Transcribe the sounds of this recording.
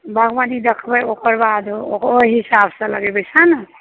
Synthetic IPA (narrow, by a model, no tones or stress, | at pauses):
bʱəɡʋanid̪ekʰbəokəɾbad̪okojɦisabsə̃ləɡɛbət͡ʃʰanə